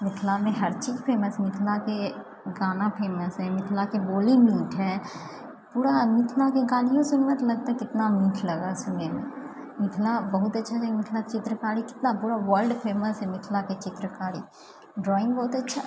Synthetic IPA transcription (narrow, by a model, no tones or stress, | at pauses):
mɪt̪ʰlamẽɦɐɾt͡ʃiːzpʰeːməsmɪt̪ʰlake | ɡaːnapʰeːməsɦɛmɪt̪ʰlakeboːlimiːʈɦɛː | puːɾamɪt̪ʰlakeɡaːlijõsʊnʋət̪lɐɡ̚t̪aɦɛkɪt̪namiːʈʰlɐɡasʊnemḛ̃ | mɪt̪ʰlabɐɦʊt̪ɐtːʃʰat͡ʃamɪk̪ʰlat͡ʃɪt̪ɾəkaːɾikɪ̥t̪napuːɾaʋəlɖpʰeːməsɦɛmɪt̪ʰlaket͡ʃɪt̪ɾəkaːɾi | ɖɾɔːɪ̃ŋɡbɔːʊt̪ɐtːʃʰa